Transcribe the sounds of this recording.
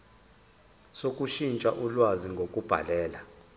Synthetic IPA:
sokʼuʃint͡ʃʼaʔulwaziŋɡʱokʼub̥ʱa̰lɛːla

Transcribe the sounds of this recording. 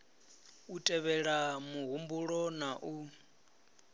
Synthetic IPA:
utʼɛβɛɺamuɣumbuɺɔnaʔu

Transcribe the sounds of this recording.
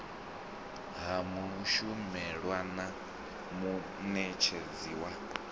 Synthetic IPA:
ɦamuʃumɛɺwana | mu | nɛt͡ʃʰed͡ziwa

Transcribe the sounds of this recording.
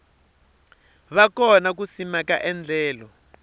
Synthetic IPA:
βakɔnak̬usimaka̰ʔɛnd͡ɮɛːlɔ

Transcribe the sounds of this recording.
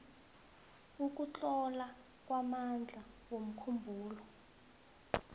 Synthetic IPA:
uk̬ut͡ɬʼɔla | kwamand͡ɮʱawom̩kʰumbʱuːlɔ

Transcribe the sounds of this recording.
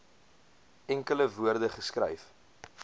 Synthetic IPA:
ɛŋkələvuərdəχəskrɛ̰jf

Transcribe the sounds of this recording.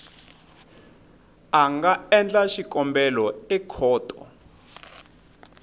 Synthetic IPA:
aŋɡaɛnd͡ɮaʃikʼɔmbɛlɔɛkʰɔːtʼɔ

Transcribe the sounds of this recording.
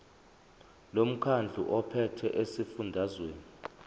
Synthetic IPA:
lom̩kʰand͡ɮʱuʔɔpʰɛtʰɛʔesifundʱazweːni

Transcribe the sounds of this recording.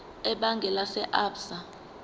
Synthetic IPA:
ɛɓaŋɡʱɛlasɛʔaːpsa

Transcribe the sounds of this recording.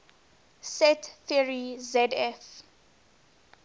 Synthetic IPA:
sɛtθiɹizɛdɛf

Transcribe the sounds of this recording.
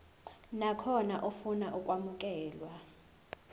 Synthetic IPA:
nakʰɔnaʔofunaʔukʼwamuk̬ʼɛːlwa

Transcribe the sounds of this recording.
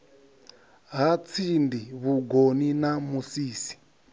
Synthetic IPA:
ɦat͡sʰindiβuɡoninamusiːsi̥

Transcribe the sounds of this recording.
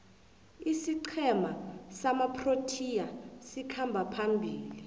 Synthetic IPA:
isiǃʰɛmasamapʰrotʰijasikʰambʱapʰambʱiːli

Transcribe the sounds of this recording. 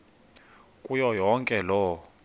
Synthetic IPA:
kʼujɔjɔŋkʼɛlɔ

